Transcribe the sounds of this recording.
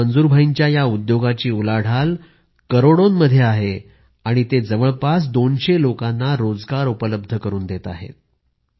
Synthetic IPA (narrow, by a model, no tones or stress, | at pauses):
ənd͡zuːɾbʱaiɲt͡ɕjajaud̪joɡat͡ɕiːulaɽ̤al | kəɾoɽonməd̪ʱːjeaɦe | aɽ̃it̪ed͡zəʋəɭpas̬d̪onɕelokanːaɾod͡zɡaɾupələb̚d̪ʱəkəɾuːnd̪et̪a̰ɦḛt̪̚